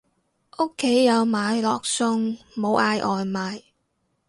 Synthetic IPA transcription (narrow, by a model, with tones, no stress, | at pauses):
ʔʊ˥kʰːe˨˥jːɐ˨˧wmaː˨˧jlɔː˨k̚sʊ˧ŋmo˨˧wʔaː˨˧jʔɔː˨jmaː˨˧j